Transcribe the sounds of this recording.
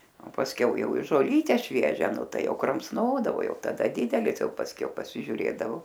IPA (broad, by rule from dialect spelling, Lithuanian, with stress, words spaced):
oː pɐsʲˈkʲɛʊ ˈjɛʊ ɪ ʒoːˈlʲiːtʲɛ ˈʃʲʋʲiɛʒʲɛ ˈnʊ ˈtɐɪ ˈjɛʊ krɐmsˈnoːdɐʋoː ˈjɛʊ tɐˈdɐ ˈdʲɪdʲɛlʲɪs ˈjɛʊ pɐsʲˈkʲɛʊ pɐsʲɪʒʲʊˈrʲeːdɐʋoː